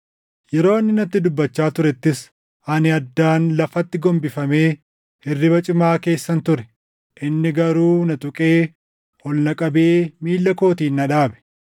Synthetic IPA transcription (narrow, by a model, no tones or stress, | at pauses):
jɛɾo̞ːɪnːɪnɐt̪ːɪd̪ʊbːɐt͡ʃːaːt̪ʊɾɛt̪ːɪs | ɐnɪɐd̪ːaːnlɐfɐt̪ːɪɡɔmbɪfɐme̞ː | hɪrːɪbɐt͡ʃʼɪmaːke̞ːsːɐnt̪ʊɾɛ̥ | ʔɪnːɪɡɐɾuːnɐt̪ʼʊkʼe̞ː | ɔlnɐkʼɐbe̞ːmiːlːɐko̞ːt̪iːnːɐᶑaːbɛ̥